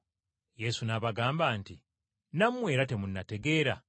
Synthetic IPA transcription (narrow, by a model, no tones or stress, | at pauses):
je̞sunaβaɡaːmbaːnti | namːwe̞ːɾate̞munːate̞ɡe̞ːɾa